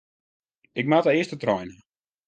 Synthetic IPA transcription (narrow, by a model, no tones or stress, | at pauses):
ɪk̚matəɪəstətrɔjnə